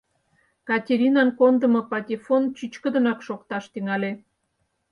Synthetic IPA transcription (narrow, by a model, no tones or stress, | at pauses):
kɑtʲeɾʲinɑnkond̪ə̆mopɑtʲefont͡ɕyt͡ɕkə̆d̪ənɑkʃokt̪ɑʃt̪yŋɑlʲe